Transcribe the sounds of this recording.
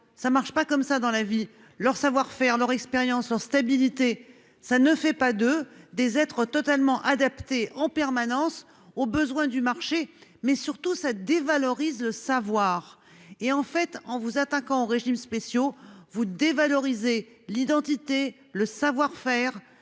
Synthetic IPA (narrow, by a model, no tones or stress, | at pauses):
samaʁʃpakɔmsad̪ɑ̃lavi | lœʁsavwaʁfɛʁlœʁɛkspeʁjɑ̃slœʁst̪abilit̪e | sanəfɛpad̪əd̪ezɛt̪χət̪ɔt̪almɑ̃ʔad̪apt̪eɑ̃pɛʁmanɑ̃s | obəzwɛ̃d̪ymaʁʃemɛsyʁt̪usad̪evalɔʁizləsavwaʁ | eɑ̃fɛt̪ɑ̃vuzat̪akɑ̃oʁeʒimspesjovud̪evalɔʁize | lid̪ɑ̃t̪it̪e | ləsavwaʁfɛːʁ